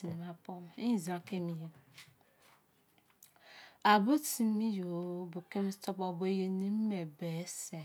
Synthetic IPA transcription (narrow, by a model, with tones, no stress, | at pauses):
i˨ni˨ma˦po˦m˨i˦˨zã˨ke˦mi˦je˦ | a˨bo˦ti˨˦mi˦jo˨˦bo˨ke˦m˦to˦po˨bo˦je˦ni˦m̩˦me˨be˨˦se˨